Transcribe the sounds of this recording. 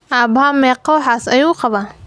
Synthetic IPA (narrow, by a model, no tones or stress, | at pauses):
ʔaːbamɛːqɔwħaːsɐjuːqɑβa